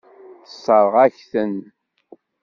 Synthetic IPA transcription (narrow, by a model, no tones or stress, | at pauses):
θə̥sˤːəɾˤəʁæçθən